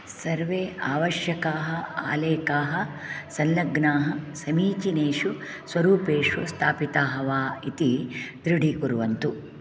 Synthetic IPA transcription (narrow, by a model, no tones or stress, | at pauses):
sɐɾʋeːaːʋɐʃjɐkaːɦɐa̰ːleːkaːɦɐsɐnlɐɡnaːɦɐsɐmiːt͡ʃineːʂu | sʋɐɾuːpeːʂʋɐst̪ʰaːpit̪aːɦɐʋaːit̪id̪ɾiɖikuɾuʋɐnt̪u